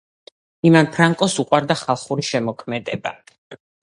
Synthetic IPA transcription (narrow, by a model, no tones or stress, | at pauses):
imanpʰɾaŋkʼɔsuqʼwaɾd̪aχalˠχuɾiʃɛmɔkʰmɛd̪ɛba